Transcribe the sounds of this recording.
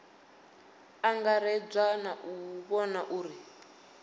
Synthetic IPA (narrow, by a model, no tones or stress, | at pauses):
aŋɡaɾɛb͡ʐanaʔuβɔnaʔuːɾi